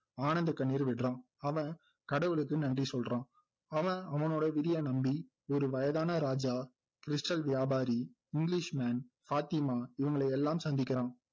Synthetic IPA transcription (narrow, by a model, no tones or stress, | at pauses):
aːnɐnd̪ɐkːɐɳːiːɾʋɪʈrãː | ɐʋɐ̃ | kɐɽɐʋɯɭɯk̬ːɯnɐndrisɔlrãː | ɐʋɐ̃ɐʋɐnoːɽɐʋɪðɪjɐnɐmbi | ɔɾɯʋɐjɐðaːnɐɾaːd͡ʒaː | kɪɾɪsʈɐlʋɪjaːbaːɾi | ɪŋɡɪlɪʂmaːn | faːt̪ɪmaːɪʋɐŋɡɐɭɐɪɛlːaːmsɐnd̪ɪkːɪɾãː